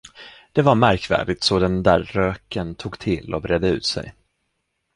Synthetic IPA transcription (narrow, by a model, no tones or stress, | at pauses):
d̪̥ɛvaɾmæɾkvæ̰ːɖɪt̪sɔd̪ɛnd̪æːɾːøːkənt̪ʰuːɡt̪ʰɪlːɔbɾɛd̪əʉ̟̰ːt̪sɛ̰j